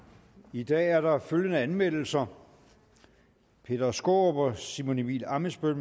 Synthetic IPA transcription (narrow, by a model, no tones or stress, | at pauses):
id̥ɛ̰ːæɐɾɑ̈føljənəænmel̰l̩sɐ | pʰe̝̰ːdɐsɡ̥o̰ːb̥ɒsimo̝nibḭlɑ̈məsb̥øn